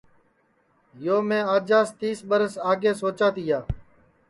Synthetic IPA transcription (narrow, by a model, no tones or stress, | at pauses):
joːmẽːaːd͡ʒaːst̪iːsɓəɾəsaːɡeːsoːt͡ʃaːt̪iːjaː